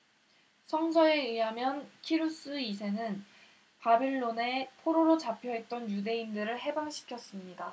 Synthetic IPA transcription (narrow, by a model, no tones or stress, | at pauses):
sʰʌŋs̬ʰʌeɯɦamjʌnkʰiɾus͈ɯis̬ʰe̞nɯn | pabiɭːone̞pʰoɾoɾot͡ɕapʰjʌɦe̞t̚t͈ʌnjude̞indɯɾɯɭɦe̞banɕʰi̥kʰjʌs͈ɯmɲida